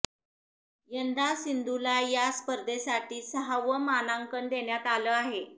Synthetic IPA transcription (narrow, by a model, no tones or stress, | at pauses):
jənd̪asind̪ulajaspəɾd̪esaʈʰiːsəɦaʋəmanaŋkənd̪eɳjat̪aləaɦe